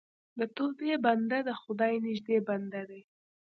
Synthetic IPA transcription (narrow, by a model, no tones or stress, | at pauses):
d̪ət̪opeband̪ad̪əxʊd̪ɑjnɪʒd̪eband̪ad̪aj